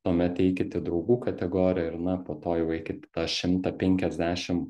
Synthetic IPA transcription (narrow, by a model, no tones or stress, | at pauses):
t̪oɔmʲɛt̪ɛɪkʲɪt̪ʲɪd̪ɾɒʊɡuːkɐt̪ʲɛɡoːɾʲɪjɛɪɾnɐpoːt̪oːjɛʊɛɪkʲɪt̪ʲɪt̪ɑʃʲɪmt̪ɐpʲɛŋʲkʲɛzʲd̪ʲæːʃʲɪm